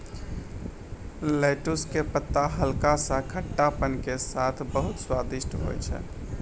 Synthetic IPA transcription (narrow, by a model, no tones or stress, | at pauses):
lɛʈuskepət̪ːaɦəlkasə̃kʰəʈːapənkesat̪ʰbəɦut̪swad̪isʈɦo̰jt͡ʃʰɛ̰